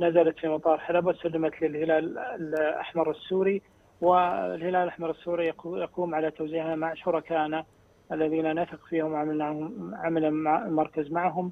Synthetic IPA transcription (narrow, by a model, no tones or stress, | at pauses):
nazalat̪fimɑt̪ˤɑːɾˤħalabt̪salːamat̪lɪlhɪlaːllʔa̰ħmɑɾˤɪsːuːɾi | wɪ̰lhɪlaːlʔaħmɑɾˤɪsːuːɾijɑquːmʕalat̪owziːʕnamaʕʃʊɾˤɑkaːʔna | ʔalːaðiːnanaθɪqfiːhɪmʕanaʕamalalmɑɾˤkazmaʕɦʊm